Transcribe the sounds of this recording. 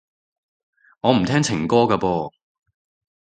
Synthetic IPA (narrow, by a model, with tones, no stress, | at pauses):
ŋɔː˨˧m̩˨˩t̪ʰɛː˥ŋt͡sʰɪ˨˩ŋkɔː˥kaː˧pɔː˧